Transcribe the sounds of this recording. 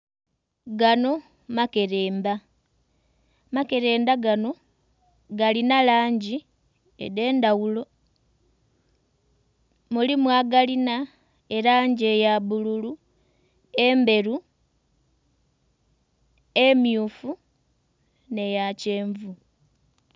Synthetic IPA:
ɡano̞ | make̞ɾeːmba | make̞ɾe̞ːmbaɡano̞ | ɡalinalaːɲɟi | ḛðe̞ːndawulo̞ | mulimwaːɡalina | eɾaɲɟe̞jaβululu | e̞mbe̞ɾu | emjuːfu | ne̞jace̞ːɱvu

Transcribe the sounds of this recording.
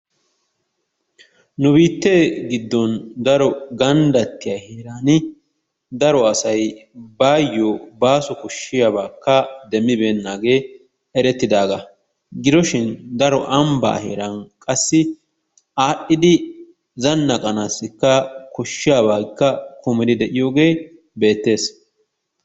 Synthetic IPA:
nʊbiːt̪ːeːɡɪd̪ːɔnd̪ɐɾɔɡɐnd̪ɐt̪ːɪjaheːɾaːnɪ | d̪ɐɾɔɐsɐjbaːjːɔbaːsɔkɔʃːɪjabaːkːɐd̪ɛmːɪbe̞ːnːaːɡe̞ː | ɛɾɛt̪ːɪd̪aːɡɐ | ɡɪd̪ɔʃɪnd̪ɐɾɔʔɐmba̰ːhḛːɾankʼɐsːɪ | aːɗːɪd̪ɪ | zɐnːɐkʼɐnaːsːɪkːɐkɔʃːɪjaːbaːɡɪkːɐkʰʊmɪd̪ɪd̪ɛʔɪjo̞ːɡe̞ː | be̞ːt̪ːe̞ːs

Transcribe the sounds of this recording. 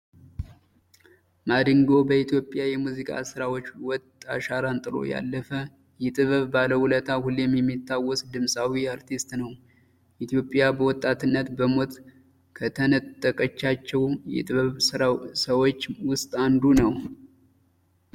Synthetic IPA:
mad̪ɨŋɡo̞bəit̪jo̞pʼjajɛmuzikʼa̰sɨɾawo̞t͡ʃːwɔt̪ʼːaʃaɾant̪ʼɨlo̞̰ja̰lːəfə | jɛt̪ʼɨβɨβbaləhulət̪ʰahulːjɛmːjɛmːit̪ʰːawːɔsd̪ɨmsʼawiaɾt̪ʰist̪nəw | ʔit̪ʰijo̞pʼjabəwɔt̪ʼːat̪ʰɨnːət̪bəmo̞t̪ | kʰət̪ʰənət̪ʼːəkʼət͡ʃːat͡ʃːɛwjɛ̰t̪ʼɨββɨsəwot͡ʃːwʊst̪ʼand̪unəw

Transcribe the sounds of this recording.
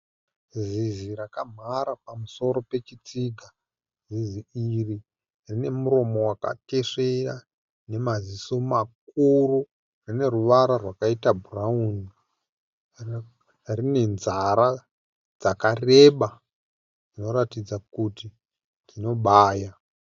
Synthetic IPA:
zizirakam̤aɾapamuso̞ɾo̞pe̞t͡ʃit͡siɡʱa | ziziiri | rine̞muɾo̞mo̞waka̰te̞ʂera | ne̞mazisomak̚uru | rine̞ruʋaɾarwakaitabʱuraun | rine̞nzaɾa | d͡zakare̞ɓa | ino̞ɾatid͡zakuti | tino̞ɓaːja

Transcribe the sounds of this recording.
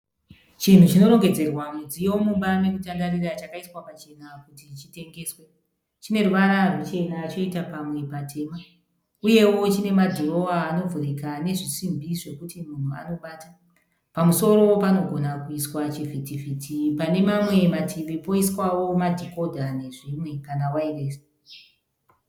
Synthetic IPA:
t͡ʃin̤ut͡ʃino̞ɾo̞ŋɡe̞d͡ze̞rwamud͡zijo̞muɓamekutandarirat͡ʃakaiswapat͡ʃe̞nakutit͡ʃite̞ŋɡe̞ːswe̞ | t͡ʃine̞ruʋaɾarut͡ʃe̞naːt͡ʃo̞itapamwe̞patʰe̞ːma | uje̞wo̞t͡ʃine̞madʱoro̞aːno̞vurikane̞ʐisimbiʐe̞kutimun̤ua̰no̞ɓaːta | pamuso̞ɾo̞wopano̞ɡʱo̞nakuiswat͡ʃivʱitivʱiːtʰipane̞mamwe̞matʰiʋipo̞iswawo̞madʱiko̞dʱane̞ʐimwe̞kanawaire̞ːsi

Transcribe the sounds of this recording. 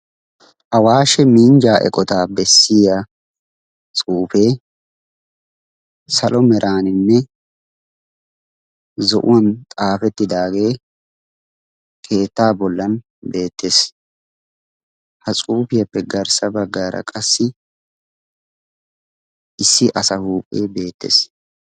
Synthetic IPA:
ʔɐwaːʃɛmiːnd͡ʒaːʔɛ̰kʼɔt̪aːbɛsːɪja | t͡sʼuːfe̞ː | sɐlʔɔmɛɾʔaːnɪnːɛ | zɔ̰ʔʊ̰wɐnt̪ʼaːfɛt̪ːɪd̪aːɡe̞ː | kʰe̞ːt̪ːaːbɔlːɐn | be̞ːt̪ːe̞ːs | hɐt͡sʼuːfɪjɐpːɛɡɐɾsɐbɐɡːaːɾɐ̰kʼɐsːɪ | ʔɪsːɪʔɐsɐhuːpʼːe̞ːbe̞ːt̪ːḛːs

